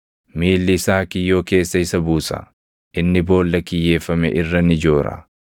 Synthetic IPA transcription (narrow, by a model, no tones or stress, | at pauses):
miːlːɪːsaːkɪjːoːke̞ːsːɐɪsːɐbuːsɐ̰ | ʔɪnːɪbo̞ːlːɐkɪjːe̞ːfɐmɛ̰ʔɪrːɐnɪd͡ʒo̞ːɾɐ̰